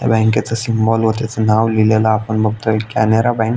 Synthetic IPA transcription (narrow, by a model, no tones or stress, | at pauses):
ja̰bɛ̃ŋket͡səsimbɔlɦot̪at͡sənaʋlilelaːpəɳbəɡ̚t̪oekaneɾabɛ̃ŋk